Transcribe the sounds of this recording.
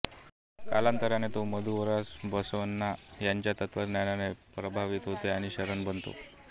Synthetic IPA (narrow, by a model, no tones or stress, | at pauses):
kalãnt̪əɾjanet̪oməd̪ʱuʋəɾasbəsʋənːajaɲt͡ɕjat̪ət̪ʋəɾnjananepɾəbʱaʋit̪ɦot̪eaɽ̃iɕəɾəɳbənt̪o̰